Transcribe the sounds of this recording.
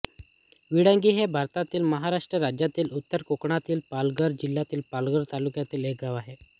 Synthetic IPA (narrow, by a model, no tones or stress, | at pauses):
ʋiɽə̃ŋɡiːɦebʱaɾt̪at̪iːlməɦaɾaʂʈɾəɾad͡ʑjat̪iːlut̪ːəɾkokɳ̃at̪iːlpalɡəɾd͡ʑilːat̪iːlpalɡəɾt̪alukjat̪iːlɦeɡaʋaɦe